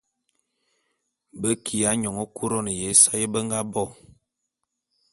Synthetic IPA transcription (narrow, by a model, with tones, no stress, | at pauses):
bə˦kʰi˨a˨˦ɲɔ˨ŋɔ˦ku˦ɾɔ˦nə˨je˨˦sa˦jə˦bə˦ŋ˦ɡa˦bɔ˦˨